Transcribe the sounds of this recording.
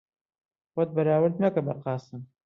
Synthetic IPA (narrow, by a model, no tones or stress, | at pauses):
wɐt̪̚bɐɾaːwɨɾd̪̚nɐkɐbɐqɑːsɨm